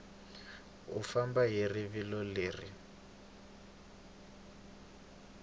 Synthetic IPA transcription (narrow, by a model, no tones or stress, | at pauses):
ufambaɦiriβilɔleːri